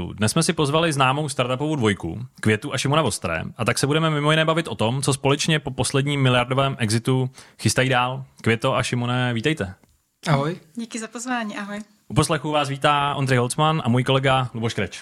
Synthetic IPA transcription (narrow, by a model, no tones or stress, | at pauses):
ṵdnɛsmɛsɪpo̞zvalɪznaːmo̞wst̪aɾt̪apovowdvo̞jkṵkvjɛt̪uʔaʃɪmonavo̞st̪ɾɛ̰ːʔat̪aksɛbudɛmɛmɪmo̞jɪnɛːbavɪt̪ʔo̞t̪o̞mt͡so̞spo̞lɛt͡ʃɲɛpo̞po̞slɛdɲiːmːɪlɪjaɾdovɛːmʔɛɡzɪt̪uxɪst̪ajiːdaːlkvjɛt̪o̞ʔaʃɪmonɛviːt̪ɛjt̪ɛ | ʔaɦojɟikɪzapozvaːɲiːʔaɦoj | ʔupo̞slɛxuvaːs̬viːt̪aːʔo̞nd̪rɛjɦo̞lt͡smanʔa̰muːjkolɛɡaluboʃkɾɛt͡ʃ